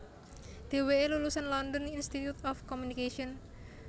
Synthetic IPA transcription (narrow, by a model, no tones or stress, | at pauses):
d̪̥e̤weelulusanlɔndɔninst̪it̪jut̪ɔfkɔmunikeʃiɔn